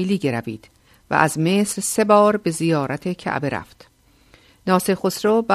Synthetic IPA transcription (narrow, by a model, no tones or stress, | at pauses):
liːɟeɾæviːd̪̥ | væ̰ʔæzme̞ːsɾse̞bɒːɾbe̞zijɒːɾʔæt̪ʰecʰæ̰ʔbe̞ɾæ̰ft̪ | nɒːsexosɾobæ